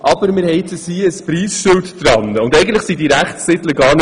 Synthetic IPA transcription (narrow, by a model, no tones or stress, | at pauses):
ʔɑb̥əɾmɪɾhɛɪt̪əshiːəspɾiːsʃʏltdɾɑnəʊndɛɪɡən̩tləχsidiɾæχtːɪdləɡɑːɾn